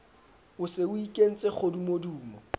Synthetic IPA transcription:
ʊsɪʊikʼen̩t͡sʼek͡xʰodumoduːmɔ

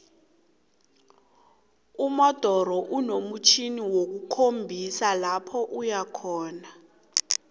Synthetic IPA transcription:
umɔd̥ʱɔɾɔʔunomut͡ʃʰiniwok̬ukʰombʱisalapʰɔʔujakʰɔːna

